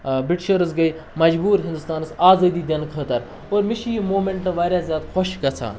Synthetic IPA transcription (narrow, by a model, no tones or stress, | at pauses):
biʈʃəɾɐsɡɐi | mɐd͡ʒbuːɾɦind̪ust̪aːnɐsaːzɐːd̪iːd̪ʲɐnkʰəːt̪ɐɾ | oːɾmiʃijimoːmeɳʈʈ̪ɐ̃ʋaːɾʲjaːzjaːd̪xʰɔʃɡɐt͡sʰa̰ː